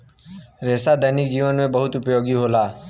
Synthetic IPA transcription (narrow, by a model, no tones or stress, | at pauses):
ɾeːsad̪ʱənɪk̚d͡ʒiːʋənmẽbəɦʊt̪ʊpjoːɡiɦoːlaː